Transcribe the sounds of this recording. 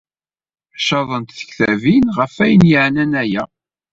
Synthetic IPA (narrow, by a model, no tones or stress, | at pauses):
ʃɑðˤənt̪θə̥çθævinʁəfæjənjəʕnænæjæ